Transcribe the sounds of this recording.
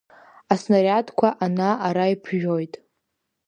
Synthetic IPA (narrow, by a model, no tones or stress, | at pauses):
asnaɾʲatʰkʷʰaʔanaaɾajpʰʒᶣojtʼ